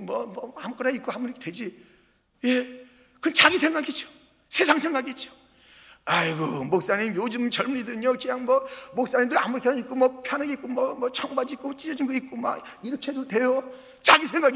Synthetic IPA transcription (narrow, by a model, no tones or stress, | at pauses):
mwʌmʌamk͈ʌɾaik͈ohambʌnɾikʰedwe̞d͡ʑi | je | kɯnt͡ɕaɡisʰe̞ŋɡaɡit͡ɕo̥ | sʰe̞sʰaŋsʰe̞ŋɡaɡit͡ɕ͈o̥ | ajɡʌmok̚s͈aɲimjod͡ʑɯmt͡ɕʌɭmuɲidɯɾɯɲokɯɲaŋmwʌmok̚s͈aɲimndɯɾa̰musʰaik͈omʌpʰjanaɡeik͈omwʌmwʌt͡ɕʰʌŋbad͡ʑik͈ot͡ɕ͈id͡ʑʌd͡ʑinɡʌit̚k͈oma̰ | iɾʌkʰeedodwe̞jo | t͡ɕaɡisʰe̞ŋɡaɡi